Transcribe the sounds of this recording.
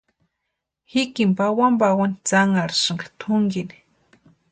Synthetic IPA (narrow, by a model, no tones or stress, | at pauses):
hikimpawambawanit͡saŋaɾʃɨŋɡḁt̪ʰʊŋɡini̥